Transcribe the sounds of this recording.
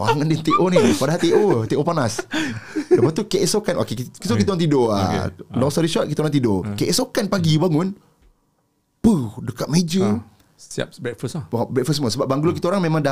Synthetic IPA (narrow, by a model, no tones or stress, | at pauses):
oaŋandɛnt̪eʔonipadaɦat̪eʔot̪eʔopanas | dəpat̪ukeʔɛsokanʔo̰kekikit̪okit̪aoɾaŋt̪̬idoa̰lɔŋst̪ɔɾiʃɔʔ̚kit̪əoɾaŋt̪idokeʔɛsokanpaɡibaŋʊn | pədəkat̪̚med͡ʒə | a̰p̚bɾɛt̚fəsbɾɛk̚fəs̬məsəbap̚baŋɡulokit̪əoɾaŋmẽmãŋda